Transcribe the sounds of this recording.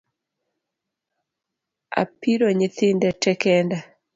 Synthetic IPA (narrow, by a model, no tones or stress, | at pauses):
a̰piɾoɲɪt̪ɪndɛtɛkɛnda